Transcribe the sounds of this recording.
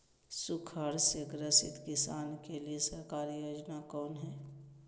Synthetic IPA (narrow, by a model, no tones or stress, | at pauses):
sʊkʰəɽseɡɾəsɪ̰t̪kɪsaːnkeliesɐɾkaːɾijoːd͡ʒnakɔːnɦɛː